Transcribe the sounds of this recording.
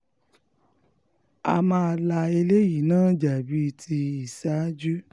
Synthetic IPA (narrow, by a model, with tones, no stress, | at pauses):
a̰˧mãː˦˧la˧e˧le˦ji˨nãː˦d͡ʒa˨bi˨˦˧tʰi˧i˨sa˨˦d͡ʒu˦